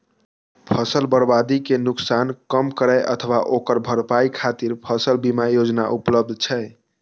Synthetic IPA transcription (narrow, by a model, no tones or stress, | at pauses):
pʰəsəlbəɾbad̪ikenuksankəmkəɾɛɪʔə̰t̪ʰəʋaʔokəɾbʱəɾpaikʰat̪iɾpʰəsəlbimajod͡ʒna̰ʔupləb̚d̪ʱt͡ʃʰɛe